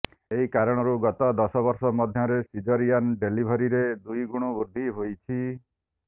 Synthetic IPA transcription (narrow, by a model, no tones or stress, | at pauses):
eɦikaɾɔɽ̃ɔɾuɡɔt̪ɔd̪ɔsɔbɔɾsɔmɔd̪ʱjɔɾesid͡ʒɔɾianɖelibʱɔɾiɾed̪ujɡuɽ̃ubuɾd̪ʱiɦojt͡ʃʰi